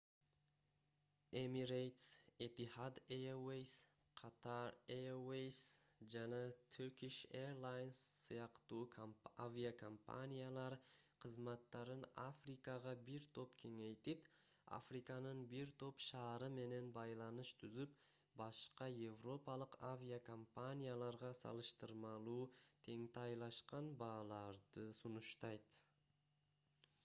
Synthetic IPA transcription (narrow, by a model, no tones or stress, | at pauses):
emiɾejt̪set̪ihad̪ejawejs | qʰɑt̪ʰɑɾejowejsd͡ʒanɑt̪ʰyɾkʲiʃeɾlˠajnsːɨjɑqt̪uːkʰavʲiakʰompa̰nʲijalˠɑɾqʰəzmɑt̪ːɑɾɯnafrikɑʁɑbɪɾt̪ʰo̞pkʲʰe̞ŋejt̪ɪp | a̰fɾikɑnəɴbɪɾt̪ʰo̞pʃɑːɾɨme̞ne̞nbɑjlˠɑnɨʃt̪ʰʏzɪp | bɑʃqɑje̞vro̞pɑlˠəqavʲijakʰompanʲijalˠɑɾʁɑsɑ̰lˠɯʃt̪ɯɾmɑlˠuːt̪ʰe̞ŋt̪ʰɑjlˠɑʃqɑnbɑːlˠɑɾd̪əsʊnʊʃt̪ɑjt̪